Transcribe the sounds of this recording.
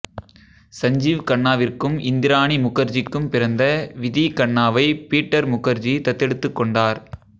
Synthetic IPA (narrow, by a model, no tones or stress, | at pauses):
sɐɲd͡ʒiːʋkɐɳːaːʋɪrkɯmʔɪnd̪ɪɾaːɳimʊkɐɾd͡ʒɪkːɯmpɪɾɐnd̪ɐʋɪðikɐɳːaːʋɐɪpiːʈːɐɾmʊkːɐɾd͡ʒit̪ɐt̪ːɛɽɯt̪ːɯkːɔɳɖaːɾ